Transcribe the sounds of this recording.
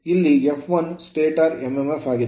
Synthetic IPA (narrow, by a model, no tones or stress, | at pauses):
ilːiefʋɐnsʈeːʈaːɾememefaːɡid̪